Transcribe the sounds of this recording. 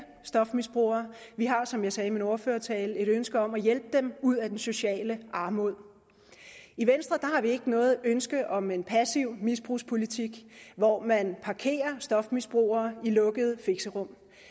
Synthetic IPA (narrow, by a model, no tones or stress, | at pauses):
sd̥ɒ̽fmisb̥ʁṵːɐːʋiɦɑ̈sɒ̽mjɑ̈ɪsɛːminoɐføːɐt͡sʰɛːle̝ɾønsɡ̥əɒ̽mæjelb̥əd̥emuð̰ˠæd̥enso̝ɕɛ̰ːləʔɑ̈ːmo̝ð̰ˠ | iʋensd̥ʁɐd̥ɑ̈hɑ̈ʋie̝ɡ̥ənɔ̽ːð̞̩ˠønsɡ̥əð̩ˠɒ̽me̝npʰæsiʊ̰misb̥ʁṵːspʰo̝lit͡sʰiɡ̥ʋɒmænpʰɑ̈kʰe̝̰ːɐsd̥ɒ̽fmisb̥ʁṵːɐːilɔ̽ɡ̥əð̞̩ˠfe̝ɡ̥səʁɔ̽m̰